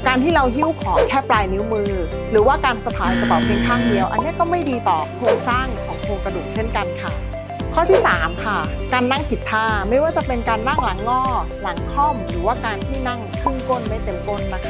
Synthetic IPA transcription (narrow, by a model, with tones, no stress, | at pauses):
kaː˧nt̪ʰiː˥˩ɾa˧wɦi˦˥˩wkʰɔː˩˦ŋkʰɛː˥˩plaː˧jnɯ˦˥wmɯː˧ | ɾɯː˩˦waː˥˩kaː˧nsa˧p̪ʰaː˨˩˦jka˧t̪ɔː˨˩p̚ʰi˧nk̪ʰaː˥˩ŋdi˧əwʔa̰˧nːi˦˥˨kɔː˥˩ma˥˩jdiː˧t̪ɔː˨˩kʰoː˧ŋsaː˥˩ŋkʰɔː˩˦ŋʰo˧ŋkɾa˧du˨˩t̪̚t͡ɕʰe˥˩nka˧nkʰa˥˩ | kʰɔː˥˩t̪ʰiː˥˩saː˩˦mkʰa˥˩kaː˧nːa˥˩ŋpʰi˨˩t̪ʰːaː˧˩ma˥˩jwaː˥˩t͡ɕa˨˩pe˧nkaː˧nːa˥˩ŋla˩˦ŋːɔː˥˩ | la˩˦ŋkʰɔ˥˩mɾɯː˩˦waː˥˩kaː˧nt̪ʰiː˥˩na˥˩ŋkʰɾɯ˥˩ŋko˥˩nma˥˩jt̪e˧mko˥˩nːa˦˥kʰa˦˥